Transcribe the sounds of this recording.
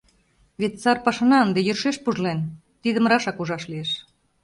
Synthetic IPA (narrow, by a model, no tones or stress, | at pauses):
βet̪t͡sɑrpɑʃɑnɑənd̪ejørʃeʃpuʒlen | t̪iðə̆mɾɑʃɑkuʒɑʃlieʃ